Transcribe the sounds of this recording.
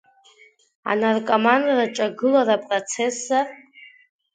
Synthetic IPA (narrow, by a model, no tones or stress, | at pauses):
a̰narkʼomandraʈ͡ʂʼaɡɨlaɾapʼrot͡sʰe̞sːa